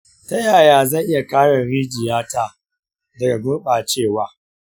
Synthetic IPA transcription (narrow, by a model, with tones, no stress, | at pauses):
ta˦jaː˨jaː˦zɐ˦˨jʔɪ˦ja˨kaː˦ɽɐ˨nɽiː˦d͡ʒɪ˨jaː˦taː˦˨ | dɐ˨ɡa˨bʊ˦rɓaː˨t͡ʃeː˦˨waː˨˦